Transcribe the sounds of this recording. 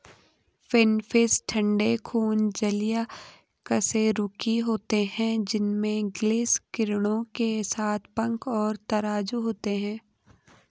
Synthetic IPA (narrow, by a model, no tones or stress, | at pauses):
fɪnfɪsʈʰɐ̃ɳɖekʰuːnd͡ʒɐlija | kəseɾʊkiɦoːt̪eɦɛ̃d͡ʒɪnmẽɡlɪːskɪɾɽ̃õkesaːt̪ʰpɐ̃ŋkɔːɾt̪ɐɾaːd͡ʒuɦoːt̪eɦɛ̃ː